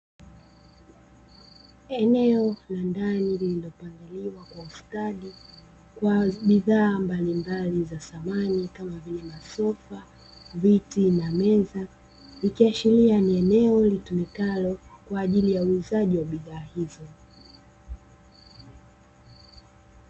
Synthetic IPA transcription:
ɛnɛɔlandanilililɔpaŋɡiliwakwaustaɗi | kwaɓiðaːmbalimbalizasamanikamavilɛmasɔfa | vitinamɛza | likiaʃilianiɛnɛɔlitumikalɔkwaːʄilijauuzaʄiwaɓiðaːhizɔ

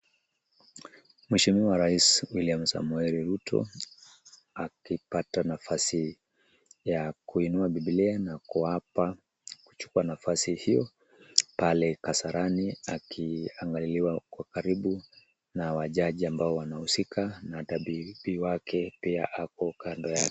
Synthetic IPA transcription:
mwɛʃimiaɾaiswiliamsa̰muɛɾiɾutʰɔ̰ | akipatanafasi | jakuinuaɓibilianakuapa | ku̥t͡ʃu̥kuanafasihijɔ | palɛkasaɾaniakʰiaŋɡaliliwakwakaɾiɓu | nawaʄaʄiambaɔwanahusikʰanataɓibiwakʰɛpia̰ʔakɔkandɔjakɛ̥

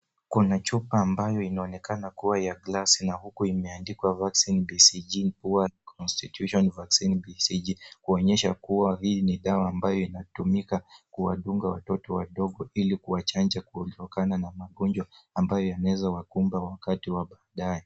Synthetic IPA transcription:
kunat͡ʃupaːmbajɔinaɔnɛkanakuwajaɡlasinahukuimɛandikwavaksinbisid͡ʒim̩puwakʰɔnstitjuʃɔnvaksinbisid͡ʒikuɔɲɛʃakuwaɦiniɗawaːmbajɔinatumikakuwaɗuŋɡawatɔtɔwaɗɔɠɔilikuwat͡ʃand͡ʒakuɔltɔkananamaɠɔnd͡ʒwaːmbajɔjanawɛzawakumbawakatiwaɓaːɗajɛ

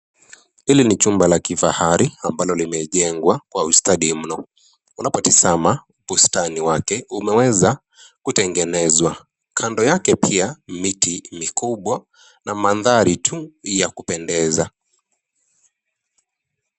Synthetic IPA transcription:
hilinit͡ʃumbalakifa̰haɾiambalɔlimɛʄɛŋɡwakwaustaɗim̩nɔ | unapɔtizamaupustaniwakɛumɛwɛza | kutɛŋɡɛnɛzwa | kʰandɔjakɛpʰiamitimikuɓwa | namaðaɾitʰujakupɛndɛza

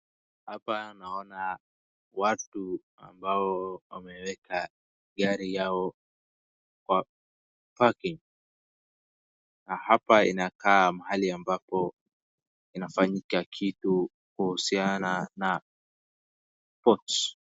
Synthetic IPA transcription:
hapanaɔna | watu | a̰mbaɔwamɛwɛka | ɡaɾijaɔ | kwa | pakiŋ | nahapaḭnakaːmahaliambapɔ | inafaɲikakʰitu | kuhusianana | pɔt

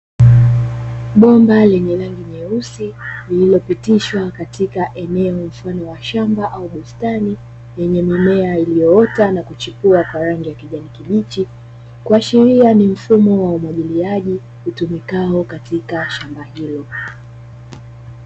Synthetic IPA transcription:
ɓɔmbalɛɲɛɾaŋɡimɛusilililɔpitiʃwakatikaʔɛnɛɔm̩fanɔwaʃambaʔauɓustani | jɛɲɛmimɛailijɔɔtanakut͡ʃipuakwaɾaŋɡijakiʄanikiɓit͡ʃi | kuaʃiɾianim̩fumɔwaumwaʄiliaʄi | hutumikaɔkatikaʃambahilɔ

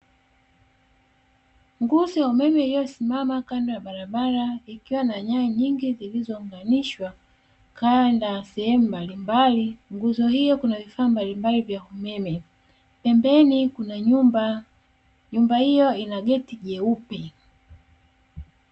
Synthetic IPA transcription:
ŋɡuzɔjaumɛmɛijɔsimamakandajaɓaɾaɓaɾaikiwanaɲaiɲiŋɡizilizɔuŋɡaniʃwa | kandasɛhɛmumbalimbaliŋɡuzɔhijɔkunavifaːmbalimbalivjaumɛmɛ | pɛmbɛnikunaɲuba | ɲumbahijɔinaɠɛtiʄɛupɛ

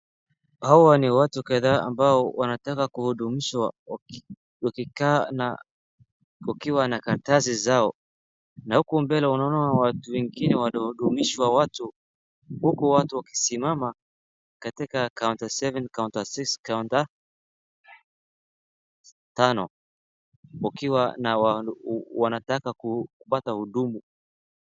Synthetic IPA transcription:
hawaniwatukaðaa̰mbaɔwanatakakuhuɗumiʃwa̰ | wakikana̰ | ukiwanakaɾtazizaɔ | nahukumbɛlaunaɔnaawatuwɛŋɡinɛwaihuɗumiʃwawatu | hukuwatuwaki̥simama | katikakawntasɛvɛnkauntasikskawnta | tanɔ̰ | wakiwanawawanatakakukupatahuɗumu

